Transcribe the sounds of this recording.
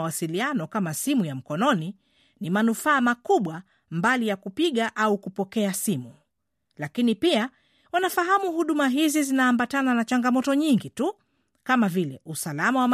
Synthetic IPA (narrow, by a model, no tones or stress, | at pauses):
wasilianɔkamasimujam̩kɔnɔni | nimanufaːmakuɓwa | mbalijakupiɠaʔaukupɔkɛasimu | lakinipia | wanafaɦamuhuɗumaɦizizinaːmbatananat͡ʃaŋɡamɔtɔɲiŋɡitu | kamavilɛ̰ʔusalamawam